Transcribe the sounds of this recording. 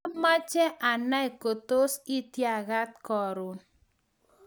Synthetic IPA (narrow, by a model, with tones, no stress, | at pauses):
a˦ma˦t͡ʃɛ˦ʔa˨na˦i˨ko˨t̪o˦si˦t̪ja˨ɣa˦t̪̚kɔ˨ɾʊ˨